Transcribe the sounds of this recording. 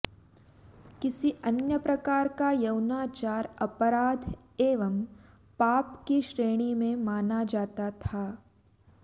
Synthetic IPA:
kɪsiʔɐnjəpɾɐkaːɾkajɐwnaːt͡ʃaːɾɐpəɾaːd̪ʱ | eːʋəm | paːpkiʃɾeːɽ̃imẽmaːnad͡ʒaːt̪at̪ʰaː

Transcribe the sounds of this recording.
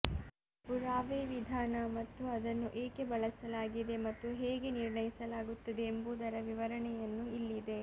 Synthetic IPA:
puɾaːʋeːʋid̪ʱaːnɐmɐt̪ːuɐd̪ɐnːuʔeːke̞bɐɭɐsɐlaːɡid̪e̞mɐt̪ːuɦeːɡe̞niɾɳɐjisɐlaːɡut̪ːɐd̪e̞ːmbuːd̪ɐɾɐʋiʋɐɾɐɳɛjɐnːuilːid̪e̞

